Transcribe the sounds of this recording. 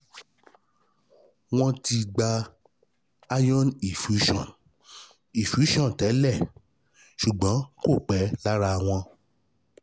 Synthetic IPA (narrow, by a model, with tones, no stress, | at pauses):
w̃ɔ̃˦ti˧ɡ͡ba˧ | a˦jɔ̃˦ni˨fu˨˦ʃɔ̰̃˦˨n | i˨fu˨˦ʃɔ̃˦˨tɛ˨˦lɛ˦˨ | ʃu˨ɡ͡bɔ̃˨˦ko˦˨k͡pɛ˨˦la˦ɾa˧w̃ɔ̃˧